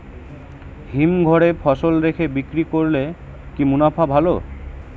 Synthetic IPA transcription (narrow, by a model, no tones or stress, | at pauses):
ɦimɡʱɔɽepʰɔʃolɾekʰebikɾikoɾle | kimunapʰabʱalo̰